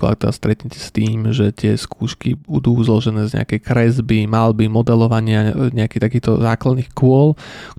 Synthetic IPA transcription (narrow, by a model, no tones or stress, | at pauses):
la̰kt̪ɛd̪a̰st̪ɾɛt̪ɲɛcɛ̥st̪iːmʒɛt̪ɪɛskʰuːʃkibud̪uːzlɔʒɛnɛːzɲɛ̰a̰kɛjkɾɛzbimalbimɔd̪ɛlɔʋaɲɪaɲɛakiːt̪akiːxt̪ɔzaːklad̪niːxkʊɔlk